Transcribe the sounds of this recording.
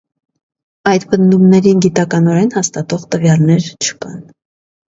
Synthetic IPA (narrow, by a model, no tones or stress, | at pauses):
ɑjd̪pənd̪umnɛɾinɡit̪ɑkɑnɔɾɛnhɑst̪ɑt̪ɔʁt̪əvjɑlnɛɾt͡ʃʰə̥kɑ̰n